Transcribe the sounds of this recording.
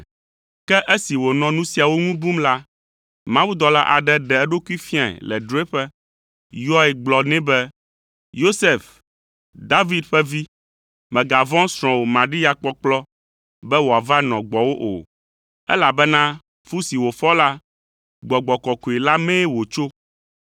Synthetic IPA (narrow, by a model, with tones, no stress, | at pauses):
kɛ˦ʔɛ˦si˨wo˨nɔ̃˨nũ˦si˨a˨wo˦ŋũ˦bu˦mla˦ | mã˦wu˦d̪ɔ˨la̰˦ʔa̰˨ɖɛ˦ɖɛ˨ɛ˦ɖo˦ku˦i˦fi˦a˨ɛ̰˨lɛ̰˨ɖɾo˦e˦ɸɛ˦ | jɔ˦ɛ˨ɡ͡blɔ˨nɛ̃˦bɛ˦ | jo˦se˦˨f | d̪a˦vi˦d̪ɸɛ˦vi˦ | mɛ̃˨ɡa˨vɔ̃˦sɾ̃ɔ̃˨wo˨mã˨ɖi˦ja˦k͡pɔ˦k͡plɔ˦ | bɛ˦wo˨a˨va˦nɔ̃˨ɡ͡bɔ˨wo˦ʔo̰˨ | ɛ̰˦la˨bɛ˦nã˦ | fu˦si˨wo˨fɔ˦la˦ | ɡ͡bɔ˨ɡ͡bɔ˨kɔ˨ku˨e˨la˦mɛ̃˦wo˨t͡ʃo˦